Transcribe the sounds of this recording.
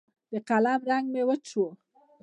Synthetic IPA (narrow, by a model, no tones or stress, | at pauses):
d̪̥əqalamɾaŋɡmewət͡ʃo